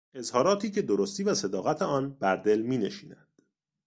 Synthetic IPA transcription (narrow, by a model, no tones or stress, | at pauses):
e̞zhɒːɾɒːt̪ʰiːcʰe̞d̪oɾost̪iːvæse̞d̪ɒːɣæt̪ʰeɒːnbæɾd̪e̞lmiːneʃiːnænd̪̥